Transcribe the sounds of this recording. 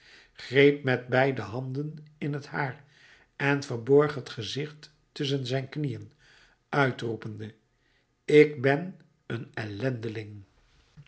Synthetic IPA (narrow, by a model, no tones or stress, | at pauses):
χrejp̚mɛt̚bɛjdəɦɑndənɪnɦəthaːɹ | ʔɛnvəɹbɔɹχɦətχəzɪχt | tɵs̬ənzɛjnknijən | œɥtrupəndə | ɪkbɛn | ənɛlɛndəlɪŋ